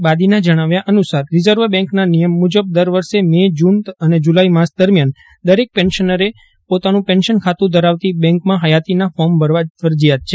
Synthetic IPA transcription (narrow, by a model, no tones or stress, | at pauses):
bad̪inad͡ʒəɽ̃aʋjaʔənusaɾːizəɾʋəɾbɛ̃ŋknanijəmːud͡ʒəb̚d̪əɾʋəɾʃemed͡ʒunəned͡ʒulaimasd̪əɾmjan | d̪əɾek̚pɛnʃənəɾe | pot̪anũpɛnʃənkʰat̪ũd̪ʱəɾaʋt̪ibɛ̃ŋkmãɦəjat̪inafɔɾmbʱəɾʋafəɾd͡ʒijat̪t͡ʃʰe